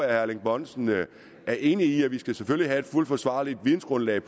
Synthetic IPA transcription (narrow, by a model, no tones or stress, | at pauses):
æhæɐleŋb̥ɒ̽nsn̩ | æɐʔe̝ːniiæʋisɡ̥æseføliɦæe̝d̥ful̰d̥fɒ̽sʋɑ̰̈ːlid̥ʋin̩sɡ̥ʁɔ̽nlɛɪpʰ